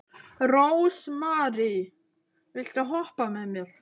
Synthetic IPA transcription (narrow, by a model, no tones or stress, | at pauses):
rowsmaɾi | vɪɬt̪aɦɔhpamɛmɪð